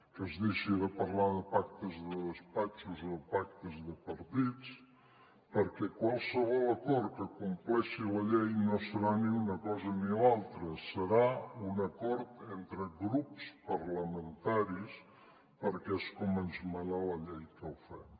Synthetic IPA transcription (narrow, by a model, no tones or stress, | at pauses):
kəzðiʃiðəpəɾlaðəpak̚t̪əzðəðəspat͡ʃuzoðəpak̚t̪əzðəpəɾt̪it͡s | pəɾkɛkwalˠsəβɔləkɔɾkəkumplɛʃiləʎejnosəɾaniunəkɔzənilalˠt̪ɾəsəɾaunəkɔɾt̪ent̪ɾəɣɾupspəɾləmənt̪aɾis | pəɾkɛskɔmənzməɾaləʎɛjkəlfɛm